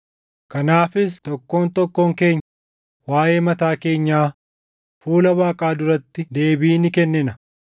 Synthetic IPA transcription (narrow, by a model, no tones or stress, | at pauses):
kɐnaːfɪst̪ɔkːoːnt̪ɔkːoːŋke̞ːɲːɐ | waːje̞ːmɐt̪aːke̞ːɲːaː | fuːlɐbaːkʼaːd̪ʊɾɐt̪ːɪd̪e̞ːbiːnɪkɛnːɪnɐ